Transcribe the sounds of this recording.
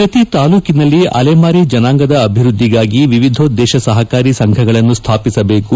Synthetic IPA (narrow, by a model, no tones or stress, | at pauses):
pɾɐt̪it̪aːluːkinɐlːiʔɐ̰leːmaːɾid͡ʒɐnaːŋɡɐd̪ɐːbʱiɾud̪ʱːiɡaːɡiʋiʋid̪ʱoːd̪ɛːʃɐsɐɦɐkaːɾisɐŋkʰɐɡɐɭɐnːust̪ʰaːpisɐbe̞ːku